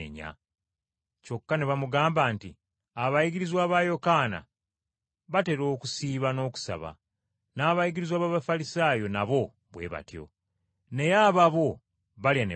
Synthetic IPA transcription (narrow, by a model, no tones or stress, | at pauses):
ḛɲa̰ | co̞kːane̞βamuɡaːmbanti | aβajiɡiɾizwaːβajo̞kaːna̰ | βate̞ɾo̞ːkusiːβano̞ːku̥sa̰βa̰ | naːβajiɡiɾizwaːβaːβafalisaːjo̞naβo̞ | βwe̞̰ːβa̰tjo̞̰ | ne̞jaβaβo̞ | βaljane